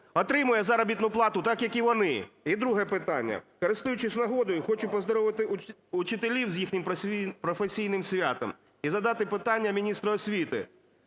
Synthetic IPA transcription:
ɔt̪ɾɪmʊjɛzɐɾɔbʲit̪nʊplˠɑt̪ʊt̪ɑkjɐkiʋɔnɪid̪ɾuɦɛpɪt̪anʲːɐ̰kɔɾɪst̪ʊjʊt͡ʃɪsʲnɐɦɔd̪ɔjʊxɔt͡ʃʊpɔzd̪ɔɾɔʋɪt̪ɪʊt͡ʃɪt̪elʲiwzʲjixnʲɪmʲpɾɔfesʲijnɪmsʲʋʲat̪ɔ̰m | izɐd̪ɑt̪ɪpɪt̪anʲːɐmʲinʲist̪ɾɐɔsʲʋʲit̪ɪ̰

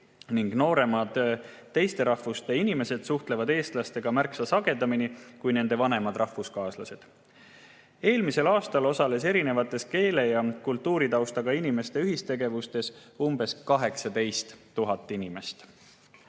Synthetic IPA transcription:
niŋɡno̞ːɾe̞mɑd̪̥ | t̪ːe̞jst̪e̞ɾɑhvust̪e̞inime̞se̞d̪̥suht̪le̞vɑd̪e̞ːst̪lɑst̪e̞ɡ̥ɑmærksɑsɑɡ̥e̞d̪ɑminikujne̞nd̪e̞vɑne̞mɑd̪rɑhvuskɑːslɑse̞d̪̥ | e̞ːlmise̞lɑːst̪ɑlo̞sɑle̞se̞ɾine̞vɑt̪ːˑe̞ske̞ːle̞jɑkult̪ːˑuːɾit̪ɑwst̪ɑɡɑinime̞st̪e̞yɦist̪e̞ɡe̞vust̪e̞sumb̥e̞skɑɦe̞ksɑd̪e̞jst̪ːuɦɑt̪ːˑinime̞st̪

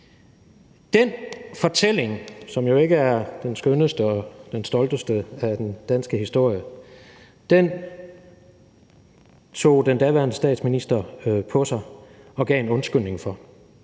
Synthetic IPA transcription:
d̥enfɒ̽t͡sʰel̰e̝ŋsɒ̽mjo̝e̝ɡ̥əæɐd̥ensɡ̥ønəsd̥əɒ̽d̥ensd̥ɒ̽ld̥əsd̥əæd̥end̥ænsɡ̥əhisd̥o̝ɐ̰jə | d̥en | t͡sʰo̝̰ːd̥end̥æʋæɐnəsd̥ɛ̰ːd̥sminisd̥ɐpʰɒ̽sɑ̈ɪ | ɒ̽ɡ̥ɛ̰ːe̝nɔ̽nsɡ̥øne̝ŋfɒ̽

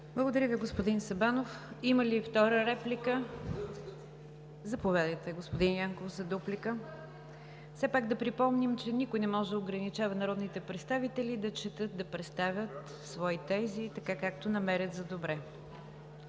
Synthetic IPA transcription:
blˠəɡod̪ɐɾəviɡospod̪insɐbanofiməlift̪ɔɾəɾɛplikə | zɐpovʲjad̪əjt̪ɛɡospod̪injaŋkofzɐd̪oplikə | fsɛpaɡd̪ɐpɾipɔmnimt͡ʃɛnikʊjnɛmɔʒɛd̪əoɡɾɐnit͡ʃavɐnɐɾɔd̪nit̪ɛpɾɛt̪st̪avit̪ɛlid̪ɐt͡ʃɛt̪ɤt̪̚d̪ɐpɾɛt̪st̪avʲjət̪ | svɔit̪ɛzit̪ɐkakak̚t̪onɐmɛɾʲjət̪zɐd̪obɾɛ

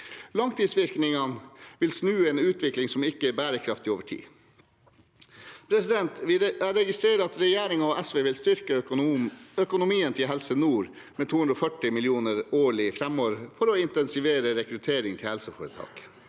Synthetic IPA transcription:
lɑŋt̪ʰiːsʋɪɾknɪŋɑnʋɪlsnʉːeːnʉːt̪ʰʋɪklɪŋsɔmɪkːəɛbæːɾəkʰɾɑft̪ɪoːʋəʈʰḭː | pʰɾɛsɪd̪ɛnt̪ɾɛɡɪst̪ɾeːɾəɑt̪ɾɛjæːɾɪŋɑɔʔæsʋeːʋɪlst̪ʏɾkə | œkʊnʊmiːənt̪ʰɪlɦɛlsənuːɾ | meːt̪ʰuːʉnd̪ɾɔfœʈːɪmɪlɪuːnəɾoːɭɪfɾɛmoːɾfɔɾɔɪnt̪ɛnsɪʋeːɾəɾɛkɾʉt̪ʰeːɾɪŋt̪ʰɪlhɛlsəfoːɾət̪ʰɑ̰ːɡ̥

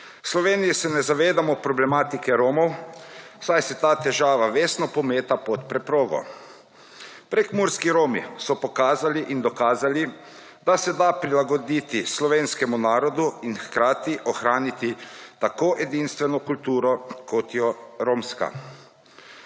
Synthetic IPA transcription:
slɔʋeːnijisɛnɛzaʋeːd̪amɔpɾɔblɛmaːt̪ikɛɾoːmɔw | sajsɛt̪aːt̪ɛʒaːʋaʋeːsnɔpɔmeːt̪apɔt̪pɾɛpɾoːɡɔ̰ | pɾɛkmuɾskiɾoːmḭsɔpɔkaːzaliʔind̪ɔkaːzali | d̪asɛd̪apɾilaɡɔd̪iːt̪islɔʋeːnskɛmunaːɾɔd̪uinxkɾaːt̪iʔɔxɾaːnit̪it̪akoːʔɛd̪iːnst̪ʋɛnɔkult̪uːɾɔkɔt̪jɔɾoːmska̰

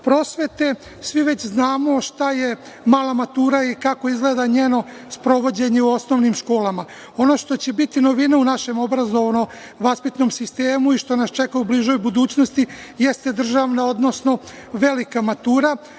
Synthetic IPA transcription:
pɾo̞ːsʋe̞t̪e̞ | sʋiʋe̞t͡ɕznaːmo̞ʃt̪aje̞ | maːlamat̪uːɾaikako̞izɡleːd̪aɲeːno̞ | spɾo̞ʋo̞d͡ʑe̞ɲeuosno̞ʋnimʃko̞ːlama | o̞no̞ʃt̪o̞t͡ɕe̞bit̪ino̞ʋinaunaʃe̞mo̞bɾazo̞ʋno̞ | ʋaspit̪no̞msist̪eːmuiʃt̪o̞nast͡ʃe̞kaubliʒo̞jbud̪uːt͡ɕno̞st̪ijest̪e̞d̪r̩ʒaʋnao̞d̪no̞sno̞ | ʋe̞likamat̪uːɾa

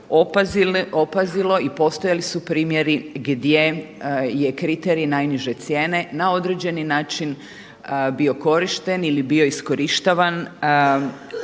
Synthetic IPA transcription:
opaziopazilo̞ipo̞st̪ojalisupɾiːmje̞ɾiɡd̪je̞je̞kɾit̪eɾiinajniʒe̞t̪sje̞ːne̞nao̞d̪ɾe̞d͡ʑe̞ninaːt͡ʃin | bio̞ko̞ɾiʃt̪e̞nilibio̞isko̞ɾiʃt̪aʋan

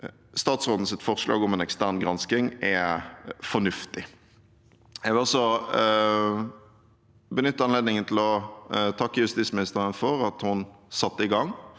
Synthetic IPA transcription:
st̪ɑːt̪sʁoːd̪n̩sɪt̪fɔʁsʂlɑ̰ːɡɔmɛnɛkst̪æʁnɡʁɑnskɪŋɛ | fɔnʉft̪ɪ | jɛɡɔsɔ | bənʏt̪ːəɑnleːd̪nɪŋənt̪ʰɪlɔt̪ʰɑkːəjʉst̪iːsmɪnɪst̪əʁənfɔʁɑt̪hʊnsɑt̪ːəɪɡɑŋː

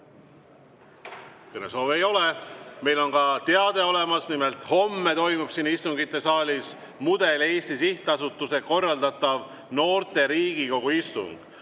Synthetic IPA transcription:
kɯnḛso̞ːve̞jo̞le̞me̞jlo̞nkɑt̪eɑd̪̥e̞o̞le̞mɑsnimelt̪ho̞mːe̞t̪o̞jmub̥sinist̪uŋɡ̥it̪ːe̞sɑːlʲis | mud̪̥e̞le̞ːst̪isiht̪ɑsut̪ːˑuse̞ko̞rːɑld̪ɑt̪ːˑɑv | no̞ːrt̪e̞ɾiːɡ̥iko̞ɡ̥uist̪ṵŋɡ̥

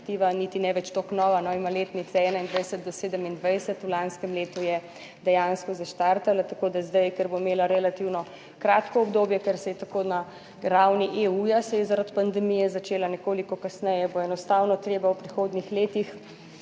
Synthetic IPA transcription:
t̪iːʋanit̪inɛʋɛt͡ʃt̪oknɔːʋanɔimaleːt̪nit̪sɛɛːnaind̪ʋɛjsɛt̪̚d̪ɔseːd̪ɛmind̪ʋajsɛt̪ulanskɛmleːt̪ujɛ | d̪ɛjanskɔzaʃt̪aɾt̪alat̪akoːd̪azd̪ajkɛɾbomeːlaɾɛlat̪iwnɔ | kɾaːt̪kɔɔbd̪oːbjɛkɛɾsɛjɛt̪akona | ɾawniʔeujasɛjɛzaɾat̪pand̪ɛmijɛzat͡ʃeːlanɛkoːlikɔkasnɛjɛboɛnɔst̪awnɔt̪ɾeːbawpɾixoːd̪nixleːt̪ix

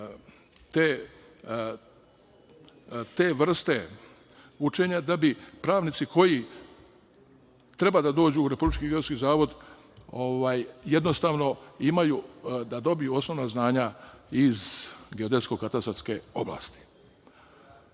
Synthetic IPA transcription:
t̪e | t̪eːʋr̩st̪e̞ | ut͡ʃeɲad̪abipɾaːʋnit̪sikʰo̞ji | t̪ɾe̞bad̪ad̪o̞ːd͡ʑuːɾe̞publit͡ʃkiɡeskizaːʋo̞d̪ | o̞ʋaːjje̞d̪no̞st̪aːʋno̞imajud̪ad̪o̞bijuo̞sno̞ʋnaznaːɲaizɡeo̞d̪e̞sko̞kat̪asaske̞o̞blˠa̰ːst̪i̥

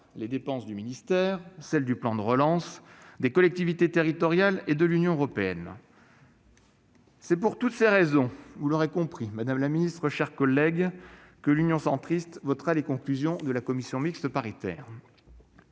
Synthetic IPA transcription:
led̪epɑ̃sd̪yminist̪ɛːʁsɛld̪yplɑ̃d̪əʁəlɑ̃sd̪ekɔlɛk̚t̪ivit̪et̪eʁit̪ɔʁjaled̪əlynjɔ̃øʁɔpeɛn | sɛpuʁt̪ut̪seʁezɔ̃vuloʁekɔ̃pχimad̪amlaminist̪χəʃɛʁkɔlɛɡkəlynjɔ̃sɑ̃t̪χist̪vɔt̪χalekɔ̃klyzjɔ̃d̪əlakɔmisjɔ̃mikst̪əpaʁit̪ɛ̰ːʁ

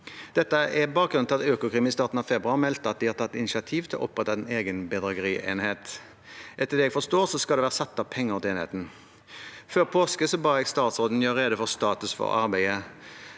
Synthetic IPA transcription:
d̪̥ɛt̪ːəʔɛbɑːk̚ɡɾʉnɪlɑt̪øːkʊkʰʁiːmɪst̪ɑːt̪n̩ɑʋfɛbɾʉɑlmɛlt̪əɑt̪̚d̪ɪhɑt̪ɑt̪ːɪnɪʃɪɑt̪ʰiːʋt̪ʰɪlɔ̰ʔɔ̰pːʁɛt̪ɑɛneːɡənbɛd̪ʁɑɡəɾiːʔḛːnheːt̪ | ʔɛt̪ːəd̪ɛːɛɡfɔst̪oːʁsɔskɑld̪ɛʋæːʁəsɑt̪ːɑʋpʰɛŋːəʁɔt̪eːnhḛːt̪n̩ | føːɾpʰoːskəsɔbɑːɛɡst̪ɑːt̪soːd̪n̩jøːɾeːd̪əfɔʁst̪ɑːt̪ʉsfɔ̰ʁɑ̰ɾbæɪə

